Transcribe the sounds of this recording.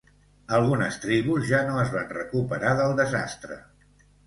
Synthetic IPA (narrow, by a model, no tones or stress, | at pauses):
əlˠɣunəst̪ɾiβuzʒanoəzβanrəkupəɾaðəlˠd̪əza̰st̪ɾə̰